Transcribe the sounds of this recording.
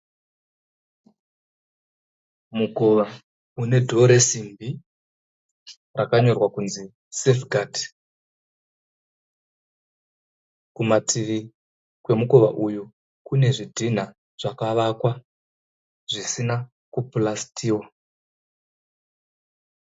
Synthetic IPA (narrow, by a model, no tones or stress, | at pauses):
muɡo̞ʋa | une̞dʱo̞ɾe̞simbi | rakaɲo̞rwakunzi | sefɡʱaːdi̥ | kumat͡siʋi | kwe̞muko̞ʋa̰ʔuju | kune̞ʐidʱin̤a | ʐ̥akaʋakwa | ʐisina | kuplastʰiːwa